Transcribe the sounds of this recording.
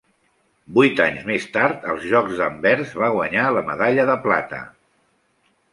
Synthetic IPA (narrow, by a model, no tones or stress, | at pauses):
bujt̪a̰ɲzmest̪aɾt̪əlˠzʒɔɡzðəmbɛɾzβaɣwəɲaləmə̰ðaʎəðəpla̰t̪ə̰